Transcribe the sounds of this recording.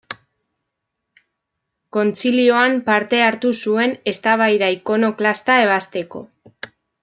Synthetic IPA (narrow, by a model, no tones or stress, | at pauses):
ko̞nt͡silio̞ampaɾt̪e̞aɾt̪usue̞ne̞st̪aβ̞ajðaiko̞no̞klast̪ae̞β̞ast̪e̞ko̞̰